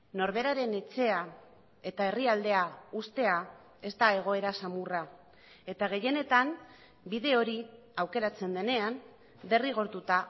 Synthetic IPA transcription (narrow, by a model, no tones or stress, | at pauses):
no̞ɾβe̞ɾaɾe̞ne̞t͡se̞a | e̞t̪ae̞riald̪e̞aust̪e̞a | e̞st̪ae̞ɣ̞o̞e̞ɾasamura | e̞t̪aɣ̞e̞je̞ne̞t̪am | biðe̞o̞ɾi | awke̞ɾat͡se̞nd̪e̞ne̞an | b̪e̞riɣ̞o̞ɾt̪ut̪a